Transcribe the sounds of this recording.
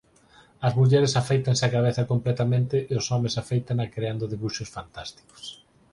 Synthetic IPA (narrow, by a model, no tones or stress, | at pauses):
ɐzmuʎɛɾesafejt̪anseakaβeθɐkomplɛt̪amẽnt̪ɪʔeosɔmesafejt̪aŋakɾeand̪ʊðiβuʃosfant̪ast̪i̥ko̥s